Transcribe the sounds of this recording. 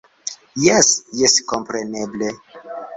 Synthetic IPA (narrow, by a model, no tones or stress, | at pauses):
jɛsjeskompɾeneble